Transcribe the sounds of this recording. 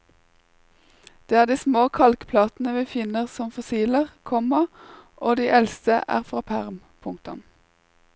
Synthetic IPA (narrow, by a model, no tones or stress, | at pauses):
d̪̥eːæːʁd̪iːsmoːkʰɑlkpʰlɑːt̪n̩əʋiːfɪnəʁsɔmfʊsiːləʁkʰɔmɑʔoːd̪iːʔɛlst̪əʔæ̰ːʁfʁɑːpʰæʁm | pʰʊŋk̚t̪ʊm